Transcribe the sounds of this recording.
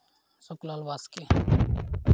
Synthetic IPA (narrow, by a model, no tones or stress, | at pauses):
sʊklaːlʋaske